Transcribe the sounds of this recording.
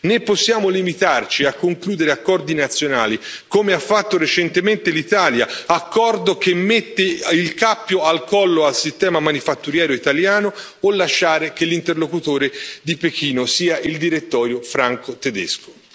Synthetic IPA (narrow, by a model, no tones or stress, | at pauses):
nepːosːjaːmolimit̪art͡ʃiakːoŋkluːd̪eɾeakːɔrd̪inat̪sːjonaːlikomeafːat̪ːoɾet͡ʃɛnt̪ement̪elit̪aːljaakːɔrd̪ok̟emːet̪ːeilkapːjoalkɔlːoalsist̪ɛːmamanifat̪ːuɾjɛːɾoit̪aljaːnoː | lːaʃːaːɾek̟elːint̪erlokut̪oːɾed̪ipekiːnosiːaʔild̪iɾet̪ːɔːɾjofɾaŋkot̪ed̪ḛsko̥